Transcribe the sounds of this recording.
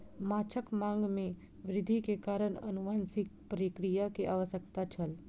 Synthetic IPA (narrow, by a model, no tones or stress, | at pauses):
maːt͡ʃʰəkmãŋɡmẽ | ʋɾɪd̪ʱikekaːɾəɳə̰nuʋaːnsɪk̚pəɾikɾijakeʔaːʋəsjəkt̪at͡ʃʰəl